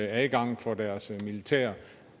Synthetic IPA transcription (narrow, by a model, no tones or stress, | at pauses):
æðɡ̥ɑ̈ŋ̰fɒdæɐsmilit͡sʰɛ̰ːɐ